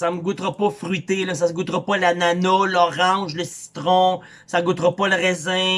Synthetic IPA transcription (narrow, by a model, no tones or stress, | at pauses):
saməɡut̪ʁapɔfʁɥit̪elɔsasəɡut̪ʁapɔlananolɔʁɑ̃ʒləsi̥t̪ʁɔ̃ | saɡut̪ʁɔpɔləʁezɛ̃